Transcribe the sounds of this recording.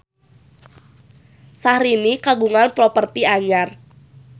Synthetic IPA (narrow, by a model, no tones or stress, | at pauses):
sahɾinikaɡuŋanpɾɔpərt̪iaɲar